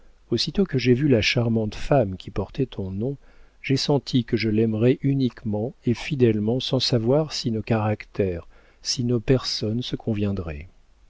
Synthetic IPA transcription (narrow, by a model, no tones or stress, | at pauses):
osit̪okəʒevylaʃaʁmɑ̃t̪famkʲipɔʁt̪ɛt̪ʰɔ̃nɔ̃ | ʒesɑ̃t̪ʰikəʒəlɛmʁɛʔynikmɑ̃efid̪ɛlmɑ̃sɑ̃savwaʁsinokaʁakt̪ɛʁ | sinopɛʁsɔnsəkʰɔ̃vjɛ̃d̪ʁɛ̰